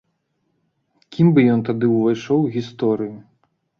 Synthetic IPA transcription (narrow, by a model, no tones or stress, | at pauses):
kʲimbɨjɔnt̪ad̪ɨuvajʂɔwɣʲist̪ɔɾɨju